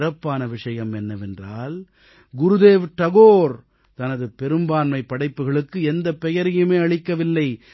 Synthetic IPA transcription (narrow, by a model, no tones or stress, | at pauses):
ɾɐpːaːnɐʋɪʂɐjɐmɛnːɐʋɛndraːl | ɡʊɾɯðeːʋt̪ɐɣoːɾ | t̪ɐnɐðɯpɛɾɯmbaːnmɐɪpːɐɽɐɪpːɯɣɐɭɯkːɯɛnd̪ɐpːɛjɐɾɪjɯmeːɐɭɪkːɐʋɪlːɐɪ